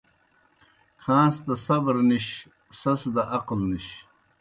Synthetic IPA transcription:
kʰãːsd̪ɐsɐbɾniɕ | sɐsd̪ɐʔɐqlniɕ

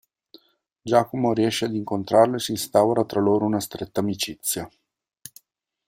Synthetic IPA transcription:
d͡ʒakomoɾiɛʃead̪iŋkont̪ɾarlesiːnst̪awɾat̪ɾaloɾunast̪ɾɛt̪ːaːmit͡ʃit̪sːja

